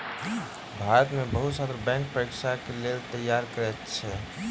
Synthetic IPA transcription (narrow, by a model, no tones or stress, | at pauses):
bʱaɾət̪mebəɦut̪sat̪ɾəbɛ̃ŋk̚pɾəikʃakelelt̪əjːaɾkəɾɛt̪t͡ʃʰɛ